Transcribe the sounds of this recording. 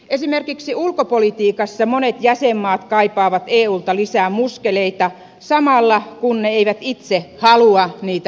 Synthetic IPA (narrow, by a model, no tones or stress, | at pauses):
ʔesimerkiksiulkopolit̪iːkɑsːɑmonet̪jæsemːɑːt̪kɑipɑːʋɑt̪eːuːlt̪ɑlisæːmuskeleit̪ɑ | sɑmɑlːɑkunneeiʋæt̪it̪sehɑluɑniːt̪æ